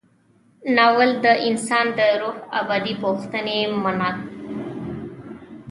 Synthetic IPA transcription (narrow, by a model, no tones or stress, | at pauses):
nɑwəld̪əʔɪnsɑnd̪əɾuha̰bɑd̪ipoxt̪ənemanɑt̪̚